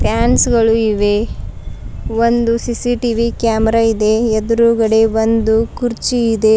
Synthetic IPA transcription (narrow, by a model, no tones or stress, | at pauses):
pʰjaːnsɡɐɭuiʋe̞ | ʋond̪usisiʈiʋikjaːmɛɾaid̪e̞ɛd̪ɾuːɡɐɽe̞ʋond̪ukuɾt͡ʃiːd̪e̞